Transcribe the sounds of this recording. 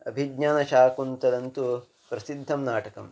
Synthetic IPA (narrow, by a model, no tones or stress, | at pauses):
ɐbʱiɡɲaːnɐʃaːkunt̪ɐd̪ɐnt̪u | pɾɐsid̪ʱːɐmnaːʈɐkɐm